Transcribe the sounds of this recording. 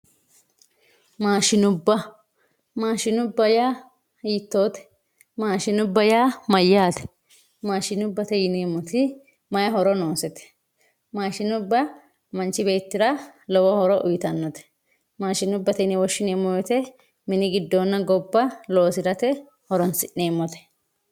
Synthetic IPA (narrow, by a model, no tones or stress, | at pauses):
maːʃɪnʊbːɐ | maːʃɪnʊbːɐjaː | iːt̪ːo̞ːt̪ɛ̥ | maːʃɪnʊbːɐjaːmɐjːaːt̪ɛ̥ | maːʃɪnʊbːɐt̪ɛjɪneːmːɔt̪ɪ | mɐjɐɦɔɾɔno̞ːsɛt̪ɛ̥ | maːʃɪnʊbːɐ | mɐnt͡ʃːɪbe̞ːt̪ːɪɾɐlɔwɔhɔɾɔʔʊjɪt̪ɐnːɔt̪ɛ̥ | maːʃɪnʊbːɐt̪ɛɪnɛwɔʃːɪneːmːɔjɔt̪ɛ | mɪnɪɡɪd̪ːoːnːɐɡɔbːɐlo̞ːsɪɾɐt̪ɛ | hɔɾɔnsɪʔːe̞ːmːɔt̪ɛ̥